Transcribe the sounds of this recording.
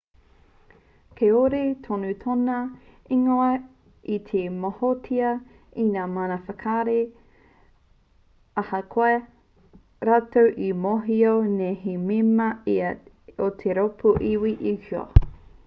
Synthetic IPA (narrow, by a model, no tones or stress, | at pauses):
kʰeoɾetʰonutʰonɐ | iŋoɐ | it̪ʰemohotʰiɐ | inaːmanɐfɐkʰaɾe | ɐhɐkʰoe | ɾatowʔimoɦioneɦimimɐiɐ | ot̪ʰeɾopʰuʔiwiʔihio̰